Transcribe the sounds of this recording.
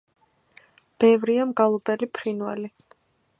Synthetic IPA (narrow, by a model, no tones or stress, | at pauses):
b̥ɛvɾiamɡalˠɔbɛlipʰɾinwa̰li